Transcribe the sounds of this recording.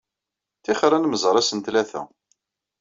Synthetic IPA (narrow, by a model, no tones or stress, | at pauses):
θɪχɾˤænməzˤəɾˤæsənt̪læθæ̰